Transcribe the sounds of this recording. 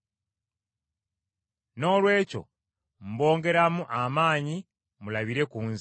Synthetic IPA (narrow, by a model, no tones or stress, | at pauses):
no̞ːlwe̞ːco̞̰ | m̩bo̞ːŋɡe̞ɾamuʔamaːɲi | mulaβiɾe̞kuːnz